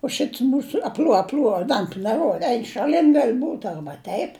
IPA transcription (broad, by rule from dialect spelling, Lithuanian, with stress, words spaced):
ʊ ˈʃʲɪts ˈmuːsʊ ɐpʲˈlʲuɔ ɐpʲˈlʲuɔ ɪ ˈdɐntʊ nʲɛˈruɔdɐ ˈɛɪn ʃɐˈlʲɪn ɡɐlʲ buːt ˈɐrbɐ ˈtʲɛɪp